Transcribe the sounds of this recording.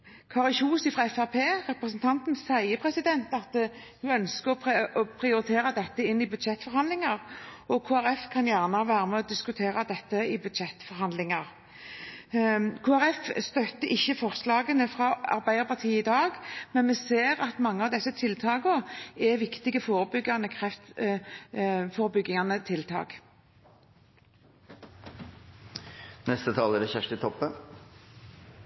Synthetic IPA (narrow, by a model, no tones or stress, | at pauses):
kʰɑːʁlçuːsɪfʁɑɛfæpʰeːʁɛpɾəsənt̪ʰɑnt̪n̩sæɪəpʰɾɛsɪd̪ɛnt̪ɑt̪ | hʉœnskəɔɔpʰɾɪʊɾɪt̪ʰeːɾɑd̪ɛt̪ːəɪnːɪbʉd̪ʃɛt̪ːfɔɾhɑnd̪lɪŋɑɾɔkʰoːæɾɛfkʰɑnjæːʁnɑʋæːɾəmɛɔd̪ɪskʉt̪ʰeːɾɑd̪ɛt̪ːəɪbʉd̪ʃɛt̪ːfɔɾhɑnd̪lɪŋɑɾ | kʰoːæɾɛfst̪œt̪ːəʔɪçːəfɔʁslɑːɡənəfɾɑɑ̰ɾbæɪd̪əpɑʁt̪ʰiːəɪd̪ɑːɡmɛnmɛseːɾɑt̪mɑŋːəɑʋd̪ɛsːət̪ʰɪlt̪ʰɑːɡɔɛʋɪkt̪ɪɡəfoːɾəbʏɡːɑnəkʰʁɛft̪ | foːɾəbʏɡːɪŋɑnət̪ʰɪlt̪ʰɑ̰ːk | nɛst̪ət̪ʰɑːlæɖɛçæʂʈɪt̪ʰɔpːən